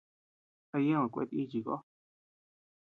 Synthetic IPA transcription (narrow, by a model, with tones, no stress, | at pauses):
a˧jẽ˦ã˨kʷḛ˧t̪i˦t͡ʃi˨ko̰˦